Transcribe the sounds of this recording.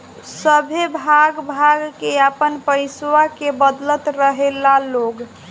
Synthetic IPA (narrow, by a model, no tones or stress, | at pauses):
səbʱebʱaɡbʱaɡkeapənpəiswakebəd̪lət̪ɾəɦelaloɡ